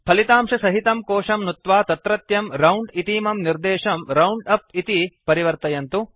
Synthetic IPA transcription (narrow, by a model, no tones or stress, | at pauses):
pʰɐlit̪aːmʂɐsɐɦit̪ɐmkoːʂɐmnut̪ʋaːt̪ɐt̪ɾɐt̪jɐmɾɐwɳɖit̪iːmɐmniɾd̪ɛːʂɐmɾɐwɳɖɐp̚it̪ipɐɾiʋɐɾt̪ɐjɐnt̪u